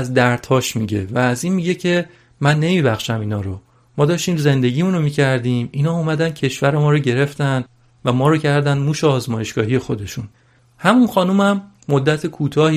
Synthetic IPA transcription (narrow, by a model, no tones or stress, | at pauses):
zd̪æɾt̪ʰhɒːʃmiɟe̞̰væːziːnmiɟe̞cʰe | mænːe̞miːbæxʃæmiːnɒːɾo | mɒːd̪ɒːʃt̪iːmze̞nd̪e̞ɟiːmuːnomiːcʰæɾd̪iːmiːnhɒːumæd̪ænd̪̥cʰe̞ʃvæɾe̞mɒːɾoɟe̞ɾe̞ft̪ænd̪ | væmɒːɾocʰæɾd̪ænd̪muːʃeɒːzmɒːje̞ʃɡ̥ɒːɦije̞xo̞d̪e̞ʃun | hæmunxɒːnumæmː | od̪ːæt̪ʰekʰuːt̪ʰɒːhi